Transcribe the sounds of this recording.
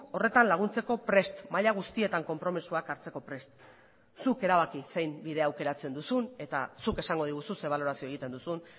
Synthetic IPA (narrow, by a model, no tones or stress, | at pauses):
o̞re̞t̪anlaɣ̞unt͡se̞ko̞pɾe̞st̪maʎaɣ̞ust̪ie̞t̪aŋko̞mpɾo̞misuakaɾt͡se̞ko̞pɾe̞st̪ | suke̞ɾaβakise̞jmbiðe̞awke̞ɾat͡se̞nd̪usune̞t̪asuke̞saŋɡo̞ð̞iɣususeβaloɾasioeɣit̪e̞nd̪usun